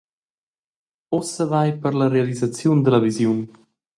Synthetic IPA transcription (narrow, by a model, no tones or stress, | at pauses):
ɔsəvajpəɾləɾealizat͡sjund̪ələvizjun